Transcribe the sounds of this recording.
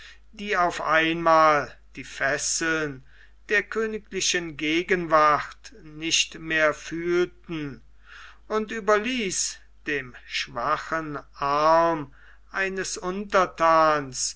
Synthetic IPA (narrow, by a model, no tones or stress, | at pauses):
d̥iːaʊfʔaɪnmaːld̥iːfɛsl̩n | d̥eːɐkʰøːnɪklɪʃənɡeːɡənvaχtnɪʃtmeːɐfyːltn̩ | ʔʊntyːbɐliːs | d̥eːmʃv̥aχənʔaɐm | ʔaɪnəsʊntɐtʰaːns